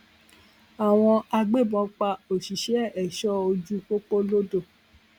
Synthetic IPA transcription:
a˨w̃ɔ̃˧a˧ɡ͡be˦˨bɔ̃˨˦k͡pa˧o˨ʃi˨ʃɛ˦˨ɛ˨ʃɔ˦o˧d͡ʒu˦k͡po˦k͡po˦lo˦do˦˨

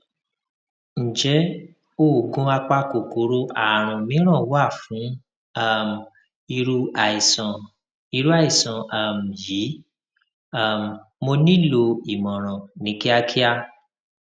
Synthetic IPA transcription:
n̩˨d͡ʒɛ˨˦ | o˦˨ɡũ˦a˧k͡pa˧ko˨ko˨˦ɾo˦ʔa˨ɾ̃ɔ̃˨mĩ˨˦ɾ̃ɔ̃˦˨˦wa˦˨fũ˨˦ | a˦˨m˨ | i˧ɾu˦ʔa˨i˨sã˨˧ | i˧ɾu˦a˦˨i˨sɔ̃˨a˨m̩˨ji˨˦ | a˦˨m˨ | mo˧nĩ˦lo˧i˨mɔ̃˨ɾ̃ɔ̃˨nĩ˨˦ki˦a˦kʰi˦a˧

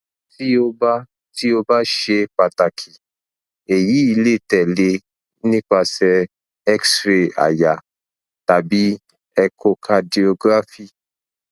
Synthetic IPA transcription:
ti˦o˦ba˦ | ti˦o˧ba˦ʃe˧k͡pa˨ta˨kʰi˨ | e˨ji˨˦i˧le˦˨tɛ˨le˧ | nĩ˦k͡pa˧sɛ˧ | ɛ˦ksɾe˨a̰˨ja˨ | ta˨bi˦ | ɛ˧kʰo˧kʰa˧di˧o˧ɡɾa˦fi˦˨

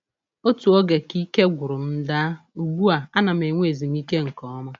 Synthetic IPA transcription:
o˦tu˨o˦ɡe˨ki˦ke˦ɡʷʊ˨ɾʊ˨m̩˦da˦u˨ɡʷu˦a˨a˦na˨m̩e˨ŋʷe˦e˨zi˨m˦i˦ke˦ŋ̩˨kɔ˨˦ɔ˦ma˦

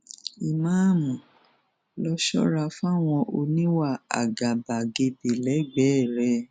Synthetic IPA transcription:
i˨mã˦˨mũ˨ | lɔ˧ʃɔ̰˦ɾa˧fa˦˨w̃ɔ̃˧ʔo˧nĩ˦wa˦˨a̰˨ɡa˨ba˨ɡe˧be˨lɛ˨˦ɡ͡bɛ˨˦˨ɾɛ˧˦

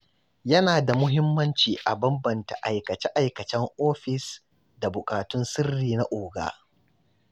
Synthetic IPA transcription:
jɐ˦naː˨da˨mʊ˦ɦɪ˦mːɐ˦nt͡ʃiː˨ʔa˨bɐ˦mbɐ˨nta̰˨ʔa˨jkɐ˨t͡ʃɛ˦ʔa˨jkɐ˨t͡ʃɛ˦ŋʔoː˦ɸɪ˨s | da˨bʊ˨kʼaː˨tʊ˦nsɪ˦rːiː˨na˦ʔoː˨ɡa̰ː˦

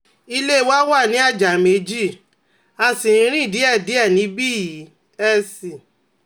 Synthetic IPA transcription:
i˧le˦˧˦wa˦wa˦˨nĩ˨˦a˦˨d͡ʒa˨me˧˦d͡ʒi˦˨ | a˧si˨ɾ̃ĩ˧˦ɾ̃ĩ˦˨di˨˦ɛ˦˨di˨˦ɛ˦˨nĩ˨˦bi˦˨ji˨˦ | ɛ˦si˨

